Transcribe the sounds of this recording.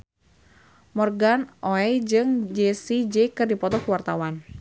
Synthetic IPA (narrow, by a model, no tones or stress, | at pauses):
mɔrɡanʔoɛd͡ʒɨŋd͡ʒesid͡ʒɛkɨrdipɔt̪ɔkuwart̪awan